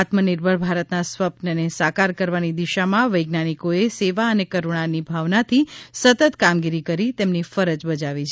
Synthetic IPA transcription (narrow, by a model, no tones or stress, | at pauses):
at̪məniɾbʱəɭbʱaɾət̪nasʋəpnənesakaɾkəɾʋanid̪iʃamãʋəjɡnanikoeseʋaənekəɾuɳ̃anibʱaʋnat̪ʰisət̪ət̪kamɡiɾikəɾit̪emnifəɾəd͡ʒbəd͡ʒaʋit͡ʃʰ